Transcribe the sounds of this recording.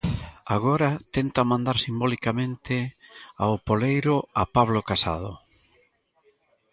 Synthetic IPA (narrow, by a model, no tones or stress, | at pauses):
aɣ̞ɔɾat̪ɛnt̪amãnd̪aɾsimbɔlikamẽnt̪ɪa̰opolejɾʊapaβlokasa̰ð̞ʊ